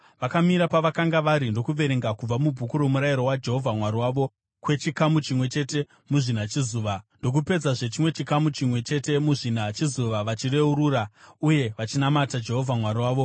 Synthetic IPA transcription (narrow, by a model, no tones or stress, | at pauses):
ʋakamiɾapaʋakaŋɡaʋaɾindo̞kuʋe̞ɾeŋɡakub͡vamubʱukuɾo̞muɾajiɾo̞wad͡ʒe̞ɦo̞vʱamwaɾiwaːʋo̞ | kwe̞t͡ʃikamut͡ʃimwe̞t͡ʃe̞te̞ | muʐinat͡ʃizuːʋando̞k̬upe̞d͡zaʐe̞t͡ʃimwe̞t͡ʃikamut͡ʃimwe̞t͡ʃe̞te̞muʐinat͡ʃizuʋaʋat͡ʃire̞uɾuːrauje̞ʋat͡ʃinamatad͡ʒe̞ɦo̞vʱamwaɾiwaːʋo̞